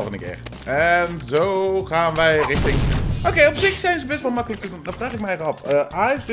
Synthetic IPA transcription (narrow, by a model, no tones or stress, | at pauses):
lˠvəndəkɪ̰ːɹ | ɛnzowχaːnʋɛjrɪχtɪŋʔowkejɔpsɪksɛjnzəbɛstʋɑlˠmɑkələk̚təddafraːχɪk̚mɛjɛrɑfəaːsd